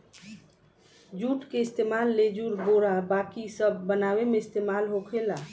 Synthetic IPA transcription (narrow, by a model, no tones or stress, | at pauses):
d͡ʒuʈkeɪst̪emalːed͡ʒuɾboɾabakisəbːənawemeɪst̪emalɦokʰela